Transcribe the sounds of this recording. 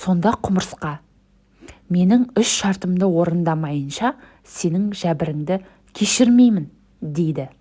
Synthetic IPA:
so̞nd̪ɑqʰʊməɾəsqɑ | me̞nɪŋʏʃʃɑɾt̪əmd̪əwo̞ɾənd̪ɑmɑjənʃɑ | se̞nɪŋʒæbɪɾɪŋd̪ɪ | kʲʰe̞ʃɪɾme̞jmɪn | d̪e̞jd̪ɪ

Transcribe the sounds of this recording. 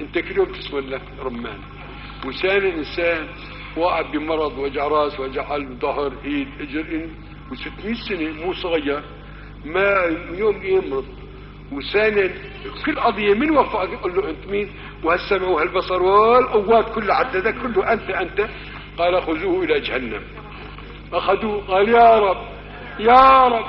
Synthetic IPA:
ʔɪnt̪akɪljoːmt̪ɪ̥smanla | ɾˤɑmːaːn | wɪsaːnɪd̪ʔɪnsaːn | waːʕabimɑɾˤɑd̪ˤwad͡ʒaʕɾˤɑːswad͡ʒaʕʔalbd̪ˤʊɦɾˤʔiːd̪ʔɪd͡ʒɪɾʔɪn | wɪsɪt̪ːmiːnsanemuːsˤɑɣijːɑɾ | majoːmjɪmɾˤʊd̪ˤ | wɪsaːnad̪ | kʊlːʔɑd̪ˤɨjːamɪnwafaʔqʊlːuʔɪnt̪miːn | whasːamʕwhalbɑsˤɑɾˤwalʔawːaːt̪kʊlːaʕat̪ːaðakːɪɾluʔant̪aʔant̪a | qɑːlʔaxʊzuːʔɪlad͡ʒhanːa̰m | ʔaxad̪uːqɑːljɑːɾˤɑbː | jɑɾˤɑb

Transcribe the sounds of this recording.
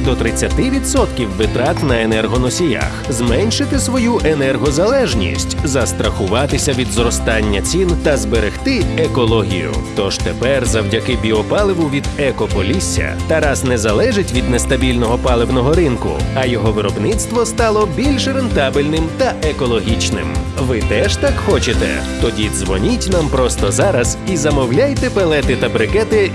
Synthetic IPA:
d̪ɔt̪ɾɪt͡sʲːɐt̪ɪʋʲid̪sɔt̪kʲiwːɪt̪ɾat̪nɐenɛrɦɔnɔsʲija̰xzmɛnʲʃɪt̪ɪsʋɔjuʔenɛrɦɔzɐlˠɛʒnʲḭsʲtʲzɐst̪ɾɐxʊʋɑt̪ɪsʲɐʋʲid̪zrɔst̪ɑnʲːɐt͡sʲint̪ɐzbeɾext̪ɪekɔlˠɔɦʲḭjʊ̰t̪ɔʒt̪ɛpɛrzɐwdʲɐkɪbʲiɔpɑlˠɪʋʊʋʲid̪ɛkɔpɔlʲisʲːɐ̰t̪ɐɾasnɛzɐlˠɛʒɪtʲʋʲid̪nɛst̪ɐbʲilʲnɔɦɔpɑlˠɪwnɔɦɔɾɪnkʊ̰ɐjɔɦɔʋɪɾɔbnɪt̪st̪ʋɔst̪ɑlˠɔbʲilʲʃɾent̪ɑbɪlʲnɪmt̪ɐʔekɔlˠɔɦʲit͡ʃnɪ̰mʋɪt̪ɛʒt̪akxɔt͡ʃet̪ɛ̰t̪ɔdʲizʋɔnʲitʲnampɾɔst̪ɔzɑɾɐz̥izɐmɔwlʲajt̪ɛpelˠɛt̪ɪt̪ɐbɾɪkɛt̪ɪ

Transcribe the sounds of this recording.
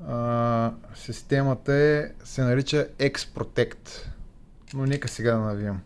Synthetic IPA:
sist̪ɛmɐt̪əɛsɛnɐɾit͡ʃəɛkspɾot̪ɛkt̪ | nonɛkəsɛɡad̪ɐnɐviɐm

